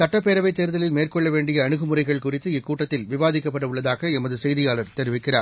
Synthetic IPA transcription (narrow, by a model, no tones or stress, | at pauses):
sɐʈːɐpːeːɾɐʋɐɪt̪ːeːɾɯðɐlɪlmeːrkɔɭːɐʋeːɳɖɪjɐːɳɯɣɯmʊrɐɪɣɐɭkʊrɪt̪ːɯɪkːuːʈːɐt̪ːɪlʋɪʋaːðɪkːɐpːɐɽɐʊɭːɐðaːɣɐɛmɐðɯsɛjðɪjaːlɐɾt̪ɛɾɪʋɪkːɪraːɾ